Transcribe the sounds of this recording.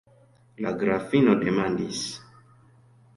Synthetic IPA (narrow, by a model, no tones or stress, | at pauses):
laɡɾafinodemandis